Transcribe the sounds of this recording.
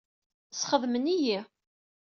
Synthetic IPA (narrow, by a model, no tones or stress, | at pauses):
sχəðməniji